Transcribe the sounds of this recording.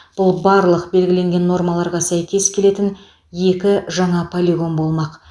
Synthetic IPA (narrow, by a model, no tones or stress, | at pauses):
b̥ʊlˠbɑɾlˠəqbe̞lɡʲɪle̞ŋɡʲe̞nːo̞ɾmɑlˠɑɾʁɑsæjkʲe̞skʲʰe̞le̞t̪ɪn | je̞kʲɪʒɑɴɑpʰolʲiɡo̞nbo̞lˠmɑq